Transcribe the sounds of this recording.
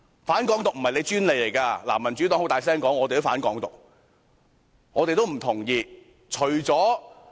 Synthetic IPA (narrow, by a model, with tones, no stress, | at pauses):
faː˨˥nkɔː˨˥ŋt̪ʊ˨k̚m̩˨˩hɐ˨jle˨˧t͡ʃyː˥nle˨˧jle˨˩jkaː˧laː˨˩mɐ˨˩nt͡ʃy˨˥t̪ɔː˨˥ŋhwt̪aː˨js̬ɛː˥ŋkɔː˨˥ŋɔː˨˧te˨t̪o˥wfaː˨˥nkɔː˨˧˥ŋt̪ʊ˨k̚ | ŋɔː˨˧t̪e˨jt̪o˥wm̩˨˩t̪ʰʊ˨˩ŋjiː˧ | t͡ʃʰɵ˨˩ɥt͡sɔː˨˥